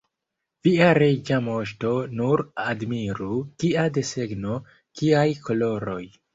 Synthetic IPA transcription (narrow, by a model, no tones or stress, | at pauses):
v̥iaɾed͡ʒamoʃto̞nuɾadmiɾukiade̞se̞ɡno | kiajkʰo̞lo̞ɾo̞j